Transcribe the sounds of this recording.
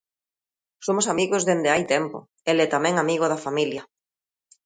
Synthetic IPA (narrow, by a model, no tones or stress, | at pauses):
somosamiɣozðend̪eajt̪ɛmpo̰ | elɛt̪amɛ̃ŋamiɣoð̞afamiljɐ